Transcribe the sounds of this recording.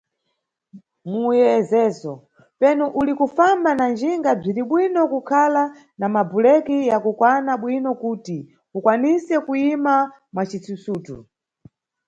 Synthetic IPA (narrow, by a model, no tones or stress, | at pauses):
mujɛzɛːzɔ | pɛnuʔulikufambanand͡ʒiŋɡab͡ʐiɾiɓwinɔkukʰala | namabulɛkijakukwanaɓwinɔkuːti | ukwanisɛkuima | mwat͡ʃit͡susuːtṵ